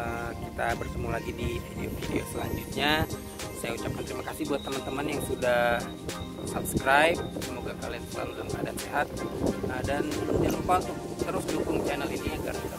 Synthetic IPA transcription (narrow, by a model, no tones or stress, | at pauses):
əkit̪abərsəmulaɡidifideo̰fideo̰səla̰ɲd͡ʒut̪̚ɲa | sajaut͡ʃap̚kant̪əɾimakasɪhbuat̪ːəmant̪əmanjaŋsudah | sap̚skɾajp̚səmoɡaka̰lanəla̰lula̰mka̰da̰nseɦat̪̚ədanjanofalt̪ʊ | t̪əɾʊsdukʊŋt͡ʃɛnəliniaɡa̰rt̪a